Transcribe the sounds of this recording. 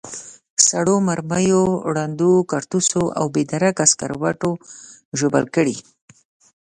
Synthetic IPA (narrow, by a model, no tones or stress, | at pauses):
saɽomaɾmajoɽand̪ukaɾt̪usoʔa̰wbed̪aɾakaska̰ɾwaʈoʒobə̰lkəɽḭ